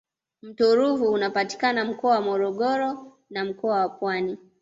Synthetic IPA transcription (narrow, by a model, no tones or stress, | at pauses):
m̩tuɾuvuːnapati̥kanam̩kɔawamɔɾɔɠɔɾɔ | nam̩kɔawapwani